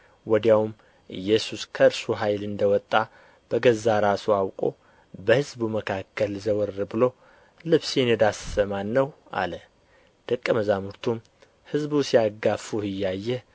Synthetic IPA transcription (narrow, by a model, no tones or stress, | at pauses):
wɔd̪jawum | ʔɨjːɛsuskʰəɨɾsuɦajlɨnd̪əwɔt̪ʼːa | b̥əɡəzːaɾasuawkʼo̰ | bəhɨzbuməkʰakʰːəlzəwɔɾːbɨlo̞ | lɨβsenɛd̪asːəmanːəwʔa̰lə | d̪̥əkʼːəməzamuɾt̪ʰum | hɨzbusijaɡafuhɨjːajːɛ